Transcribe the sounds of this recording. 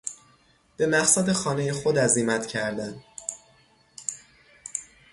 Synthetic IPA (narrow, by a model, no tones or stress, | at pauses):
b̥e̞mæɢsæd̪e̞xɒːne̞jexod̪æziːmæt̪ʰcʰæɾd̪æn